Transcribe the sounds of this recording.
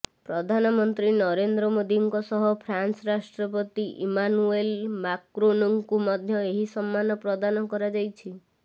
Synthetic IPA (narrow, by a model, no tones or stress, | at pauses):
pɾɔd̪ʱanɔmɔnt̪ɾinɔɾend̪ɾɔmod̪iŋkɔsɔɦɔpʰɾansɔɾasʈɾɔp̬ɔt̪iʔimanuelmakɾonɔŋkumɔd̪ʱjɔeɦisɔmːanɔpɾɔd̪anɔkɔɾad͡ʒajt͡ʃʰi